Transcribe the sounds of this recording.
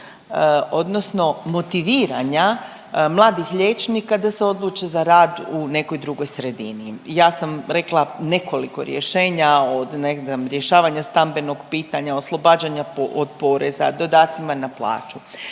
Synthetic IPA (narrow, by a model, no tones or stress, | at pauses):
o̞d̪no̞sno̞mo̞t̪iʋiːɾaɲa | mlˠaːd̪ixʎeːt͡ʃnikad̪ase̞o̞d̪lˠuːt͡ʃezaɾaːd̪une̞ko̞jd̪ɾuɡo̞jsɾe̞d̪inijaːsamɾe̞klˠane̞ko̞liko̞̰ɾjeʃe̞ːɲaod̪neamɾje̞ʃaːʋaɲast̪ambe̞no̞ɡpiːt̪aɲao̞slˠo̞baːd͡ʒaɲapood̪po̞ɾeza̰d̪o̞d̪aːt̪simanaplˠa̰ːt͡ʃu